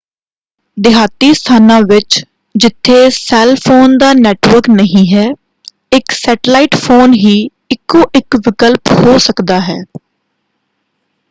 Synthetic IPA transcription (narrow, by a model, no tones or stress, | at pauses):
d̪ɪɦaːt̪iːst̪ʰaːnãːʋɪt͡ʃ | d͡ʒɪt̪ʰːeːsɛːlpʰoːnd̪aːnɛːʈʋəɾknəɦĩːɦɛː | ɪksɛːʈlaːɪːʈpʰoːnɦiː | ɪkːõːʔɪkʋɪkəlphoːsəkd̪aːɦɛ̰ː